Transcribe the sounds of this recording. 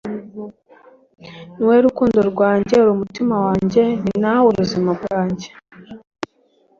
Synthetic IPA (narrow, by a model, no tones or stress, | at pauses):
niweɾukuːndoɾɡwaːɲɟe̞uɾumutimawaːɲɟe̞ninauɾuzimaɡwaːɲɟe̞̥